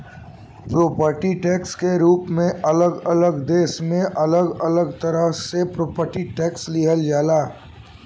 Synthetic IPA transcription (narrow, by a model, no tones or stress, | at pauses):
pɾoːpəɾʈiʈɛːkskeɾuːpmẽʔɐləɡɐləɡd̪eːsmẽʔɐləɡɐləɡt̪ɐɾəɦsepɾoːpəɾʈiʈɛːksliːɦəld͡ʒaːlaː